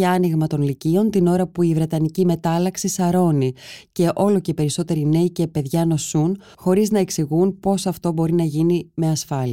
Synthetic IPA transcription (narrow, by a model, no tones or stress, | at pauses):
ɐniɣmɐt̪o̞nlicio̞nt̪ino̞ɾɐpuivɾe̞t̪ɐnicime̞t̪ɐlɐksisɐɾo̞nice̞ʔo̞lo̞cepe̞ɾiso̞t̪e̞ɾine̞ice̞pe̞ðʝɐno̞sun | xo̞ɾiznɐe̞ksiɣunpo̞sɐft̪o̞bo̞ɾinɐʝinime̞ɐsfɐli